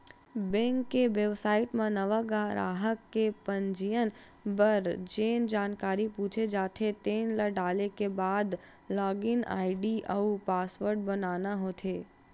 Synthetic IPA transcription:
bɛ̃ŋkːeʋjeʋsaːiʈmãnəʋaɡaɾa̰ːɦəkːepəɲd͡ʒijən | bəɾd͡ʒend͡ʒaːnkaɾiput͡ʃʰed͡ʒaːt̪ʰet̪enləɖalekebad̪ | laːɡɪna̰ːɪɖiʔəupasʋəɾɖ̚bənanaɦot̪ʰe

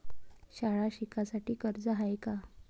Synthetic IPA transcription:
ɕaɭaɕikasaʈiːkəɾd͡zəɦajka

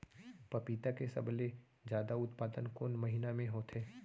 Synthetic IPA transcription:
pɐpiːt̪akesɐ̰ble | d͡ʒjaːd̪aʊt̪paːd̪ənkoːnmɐɦɪnamẽɦoːt̪ʰeː

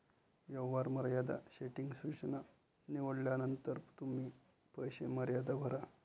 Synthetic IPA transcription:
jəʋːaɾməɾjad̪a̰ɕeʈiŋɡsut͡ɕəna | niʋəɽljanənt̪əɾt̪um̤iː | pəjɕḛməɾjad̪abʱəɾa

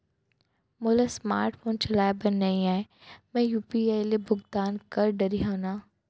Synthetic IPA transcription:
mʊlasma̰ːɾʈfoːnt͡ʃɐlaːebɐnːɐĩaːe | mɛ̃juːpieːlebʱʊɡd̪aːnkɐɾɖɐɾiɦoːnaː

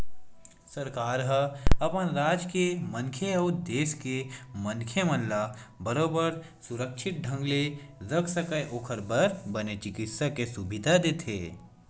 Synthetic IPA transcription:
sɐɾkaːɾɦəɐpənɾaːd͡ʒkemə̃nkʰeɔːɾd̪eːskemɐ̃nkʰjemə̃nlabɐɾoːbəɾ | sʊɾəkʃɪʈ̪̚ɖʱə̃ŋɡlezəksəkəjʔoːkʰəɾbəɾbɐnet͡ʃɪkɪt̪sakesubɪd̪ʱad̪eːt̪ʰḛː

